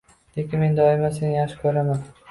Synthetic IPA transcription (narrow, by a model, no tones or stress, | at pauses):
d̪̥e̞kʲɪnme̞nd̪ɒɪmasenjaχʃɪ̥kʰɵɾaman